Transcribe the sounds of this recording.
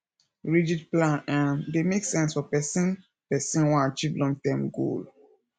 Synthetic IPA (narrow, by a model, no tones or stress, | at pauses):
ɹid͡ʒid̚plãnãndemeksɛ̃nsfɔpɛsĩn | pɛsĩnwɔ̃at͡ʃivlɔ̃ŋtɛ̃mɡo̰l